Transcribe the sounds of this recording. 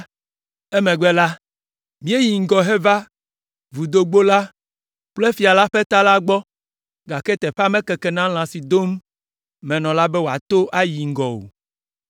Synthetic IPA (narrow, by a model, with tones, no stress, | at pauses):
ɛ˦mɛ̃˨ɡ͡bɛ˦la˦ | mĩ˨˦e˦ji˨ŋ̩˦ɡɔ˨ɦɛ˦va˦ | vu˨d̪o˦ɡ͡bo˦la˦ | k͡plɛ˦fi˨a˨la˦ɸɛ˦t̪a˦la˦ɡ͡bɔ˦ | ɡa˨kɛ˦t̪ɛ˨ɸa˦mɛ̃˦kɛ˨kɛ˨nã˦l̃ã˨si˨d̪o˦m | mɛ̃˨nɔ̃˨la˦bɛ˦wo˨a̰˨t̪o˦ʔa˦ji˨ŋ̩˦ɡɔ˨wo̰˨